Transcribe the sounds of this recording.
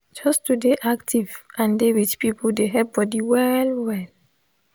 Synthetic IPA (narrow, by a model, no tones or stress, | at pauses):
d͡ʒɔstudeʔaktʰivʔãndewit͡ʃpipʰoldeɦɛp̚bɔdiwɛlwɛl